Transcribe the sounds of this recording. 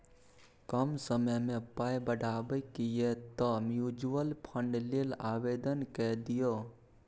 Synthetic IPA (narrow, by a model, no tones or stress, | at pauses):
kəmsəməmẽpaːjbəɽʱaːbəkijet̪ɔmjud͡ʒuəlpʰə̃ɳɖlelaːʋeːd̪ənkɛd̪ijo